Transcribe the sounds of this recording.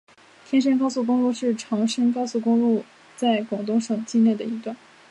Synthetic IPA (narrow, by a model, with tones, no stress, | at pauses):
t̪ʰjɛ˥nʂə˥nkɑ˥ʊsu˥˩kʊ˥ŋlu˥˧ʂɻ̩˥˩ʈ͡ʂʰɑ˧˥ŋʂə˥nkɑ˥ʊsu˥˩kʊ˥ŋlu˥˧ | t͡sa˥˩ɪkwɑ˨˩ŋt̪̬ʊ˥˧ŋʂɑ˨˩ŋt͡ɕi˥˧nljɛ˥˩d̪ə˩i˧˥t̪wa˥˩n